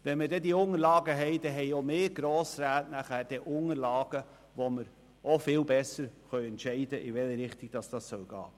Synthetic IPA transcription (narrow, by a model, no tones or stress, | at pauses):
ʋɛnmədɛdiːʊŋəlɑːɡəɦɛɪd̥ɛɦɛɪomeːɡ̥ɾoːsɾæːtnæχæːɾd̥ɛʔʊŋəɾlɑːɡ̥ə | voməɾ | ofɪːlbɛsəɾχœʏɛntʃɛɪdəʔɪvɛləɾɪχtɪɡ̥d̥ɑsd̥ɑssœlɡ̥ɑ̰ː